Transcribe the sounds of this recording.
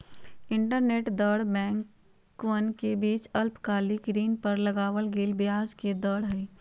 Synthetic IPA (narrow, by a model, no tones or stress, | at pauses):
ɪ̃ɳʈəɾneːʈd̪əɽbɛ̃ːŋkː | ʋənkebiːt͡ʃəlpkaːlikɾiːnpəɾləɡaːʋəlɡeːlbjaːd͡ʒked̪əɽɦɛ